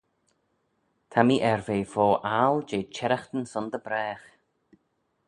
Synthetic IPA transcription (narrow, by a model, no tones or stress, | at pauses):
t̪ʰamiːʔɛɹveːfoːʔaːld͡ʒeːt͡ʃʰɛɾaxt̪ənsʊnd̪əbɾɛːx